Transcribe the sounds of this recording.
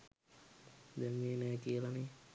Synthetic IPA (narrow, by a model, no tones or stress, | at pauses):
d̪ɛnmeːnɛːkiəlane